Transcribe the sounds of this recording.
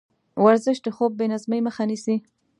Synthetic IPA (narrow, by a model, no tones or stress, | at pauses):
waɾzɪʃd̪əxob̚ːenazməjməxanisi